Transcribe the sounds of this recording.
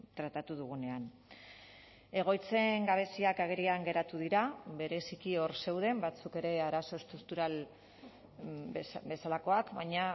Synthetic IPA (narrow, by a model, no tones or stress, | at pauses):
t̪ɾat̪at̪uðuɣ̞une̞an | e̞ɣ̞o̞jt͡se̞ŋɡaβ̞e̞siakaɣ̞e̞ɾiaŋɡe̞ɾat̪uðiɾaβe̞ɾe̞sikio̞ɾse̞wðe̞mbat͡suke̞ɾe̞aɾaso̞est̪ɾuk̚t̪uɾal | be̞salako̞akbajɲa